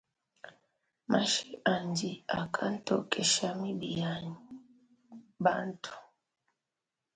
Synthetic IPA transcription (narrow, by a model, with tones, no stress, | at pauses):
mʔa˦ʃi˦ʔa˨nd͡ʒi˨a˨kʼʰa˦n˦to˦kʼɛ˨ʃa˦mi˦bi˨ja˨ɲi | ba˦ntʰu̥˨